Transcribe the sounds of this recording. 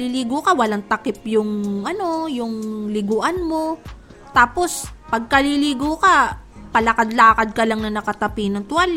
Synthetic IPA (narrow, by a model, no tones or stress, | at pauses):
liliːɡokɐwɐlaŋt̪ɐkɪp̚jʊŋʔɐno̞jʊŋlɪɡoʔɐnmo̞ | t̪aːpo̞spɐɡ̚kɐliliːɡokapɐlɐkad̪laːkɐd̪̚kɐlaŋnɐnɐkɐt̪ɐpiːnɐŋt̪ʊwal